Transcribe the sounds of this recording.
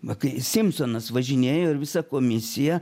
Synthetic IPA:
ʋɐkɐɪsʲɪmsoːnɐsʋɐʒʲɪnʲeːjoːɪɾʋʲɪsɑkoːmʲɪsʲɪjɛ

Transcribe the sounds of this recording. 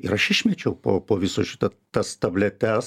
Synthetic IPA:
ɪɾɐʃɪʃʲmʲɛt͡ʃʲɛʊpo̰ːpoːʋʲɪsoːʃʲɪt̪ɐ | t̪ɐst̪ɐbʲlʲɛt̪ʲɛs

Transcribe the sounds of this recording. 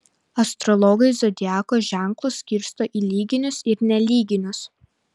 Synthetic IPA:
ɐst̪ɾɔlˠɔɡɐɪzɔd̪ʲɪæːkoːʒʲæˑŋklˠʊsːʲkʲiɾʲst̪oːʔiːlʲiːɡʲɪnʲʊsɪɾnʲɛlʲiːɡʲɪnʲʊs

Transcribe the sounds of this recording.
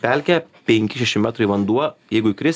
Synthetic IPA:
pʲælʲkʲɛpʲɛŋʲkʲɪʃʲɛʃʲɪmʲæt̪ɾɐiʋɐnd̪uɔjɛɪɡʊɪkɾʲɪs

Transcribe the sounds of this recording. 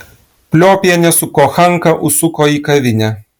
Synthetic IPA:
pʲlʲoːpʲjɛnʲɛsʊkoːxɐŋkɐʔʊsʊkoːiːkɐʋʲɪnʲɛ

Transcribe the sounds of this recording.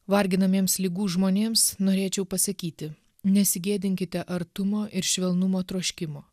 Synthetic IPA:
ʋɐɾʲɡʲɪnɐmʲeːmslʲɪɡuːʒmoːnʲeːmsnoːɾʲeːt͡ʃʲɛʊpɐsɐkʲiːt̪ʲɪ | nʲɛsʲɪɡʲeːd̪ʲɪŋʲkʲɪt̪ʲɛʔɐɾt̪ʊmoːʔɪɾʃʲʋʲɛlˠnʊmoːt̪ɾoːʃʲkʲɪmoː

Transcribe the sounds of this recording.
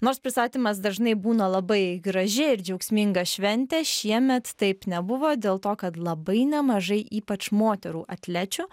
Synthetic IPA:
noːɾspʲɾʲɪst̪ɑːt̪ʲiːmɐs̬d̪ɐʒnɐɪbuːnɐlˠɐbɐɪɡɾɐʒʲɪɪɾd͡ʒʲɛʊksʲmʲɪŋɡɐʃʲʋʲɛnʲt̪ʲɛːʃʲiɛmʲɛt̪ːɐɪpnʲɛbʊʋoːd̪ʲeːlˠt̪oːkɐt̪lˠɐbɐɪnʲɛmɐʒɐɪʔiːpɐt͡ʃmoːt̪ʲɛɾuːʔɐt̪ʲlʲæt͡ʃʲʊ

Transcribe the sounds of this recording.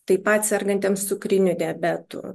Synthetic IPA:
t̪ɐɪpɐt̪ʲsʲɛrɡɐnʲt̪ʲeɛmssʊkɾʲɪnʲʊd̪ʲiɛbʲæt̪ʊ̰

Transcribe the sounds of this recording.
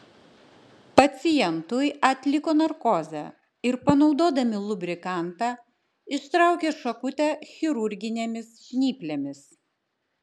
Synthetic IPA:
pɐt̪sʲɪjɛnt̪ʊjɐt̪ʲlʲɪkoːnɐɾkoːzʲæ̰ | ɪɾpɐnɒʊd̪oːd̪ɐmʲɪlˠʊbʲɾʲɪkɑˑnt̪ɑ | ɪʃt̪ɾɑˑʊkʲeːʃɐkʊt̪ʲɛxʲɪɾʊɾʲɡʲɪnʲeːmʲɪsʃʲnʲiːpʲlʲeːmʲɪs

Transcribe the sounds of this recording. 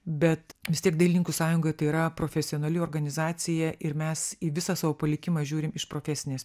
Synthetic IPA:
bʲɛt̪ʋʲɪst̪iɛk̚d̪ɐɪlʲɪnʲɪŋkusɑːjʊŋɡoːjɛt̪ɐɪiːɾɐpɾoːfʲɛsʲɪonɐlʲɪoːrɡɐnʲɪzɑːt̪sʲɪjɛʔɪɾmʲɛsiʋʲɪsɑːsɑʋoːpɐlʲɪkʲɪmɑːʒʲuːɾʲɪmɪʃpɾoːfʲɛsʲɪnʲeːs

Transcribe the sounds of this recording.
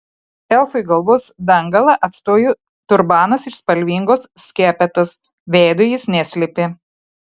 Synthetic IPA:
ɛlˠfʊɪɡɐlˠʋoːsd̪ɐŋɡɐlˠɐʔɐt̪st̪oːjuː | t̪ʊɾbɑːnɐsɪʃspɐlʲʋʲiːŋɡoːssʲkʲæːpʲɛt̪os | ʋʲɛɪd̪ojɪsnʲɛsʲlʲepʲɪ

